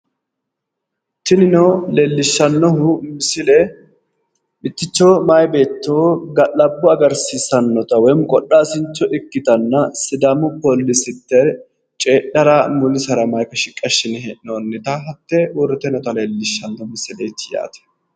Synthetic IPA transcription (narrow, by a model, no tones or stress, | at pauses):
t̪ɪnɪnoleːlːɪʃːɐnːɔhʊmɪsɪlɛ | mɪt̪ːɪt͡ʃːoːmɐjbe̞ːt̪ːoːɡɐlɐbːʊɐɡɐɾsisɐnːɔt̪ɐwɔjmʊkʼɔɗːaːsɪnt͡ʃːɔʔɪkːɪt̪ɐnːɐsɪd̪ɐmʊpolːɪsɪt̪ːɛ | t͡ʃʼeːɗɐɾaːmʊlɪsɐɾɐmɐjkɐʃɪkʼːɐʃːɪnɛnoːnːɪt̪ɐɦɐt̪ːɛʊɾɪt̪ɛnɔt̪ɐleːlːɪʃːɐnːɔmɪsɪleːt̪ːɪja̰ːt̪ɛ̥